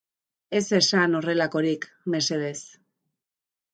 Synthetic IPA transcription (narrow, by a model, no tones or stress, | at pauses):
e̞sesano̞re̞lako̞ɾik | me̞se̞ðe̞s